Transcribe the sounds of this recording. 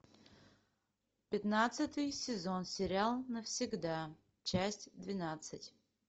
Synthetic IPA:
pʲɪt̪nat̪sɨt̪ɨjsʲɪzo̞nsʲɪɾʲalˠnəfsʲɪɡd̪a | t͡ɕæsʲtʲd̪vʲɪnat̪sɨtʲ

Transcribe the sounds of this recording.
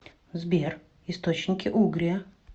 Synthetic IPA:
zbʲer | ɪst̪ot͡ɕnʲɪkʲɪʔuɡɾʲɪjə

